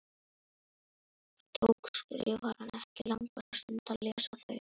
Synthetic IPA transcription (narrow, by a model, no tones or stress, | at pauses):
t̪ʰowkskɾɪ̰vaɾhanɛhcɪlaŋkaɾast̪ʏnt̪ʰalɛːsaθa